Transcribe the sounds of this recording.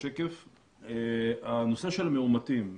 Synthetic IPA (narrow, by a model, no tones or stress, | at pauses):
ekef | eano̞seʃelmeumatim